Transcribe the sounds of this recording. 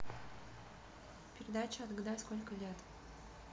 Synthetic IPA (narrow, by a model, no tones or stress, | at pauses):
pʲɪɾʲɪd̪at͡ɕɪɐd̪ɡd̪askolʲkəlʲet̪